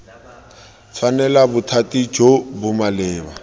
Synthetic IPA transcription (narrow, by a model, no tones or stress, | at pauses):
t͡sʰwanɛlabʊtʰatʼid͡ʒobʊmalɪːba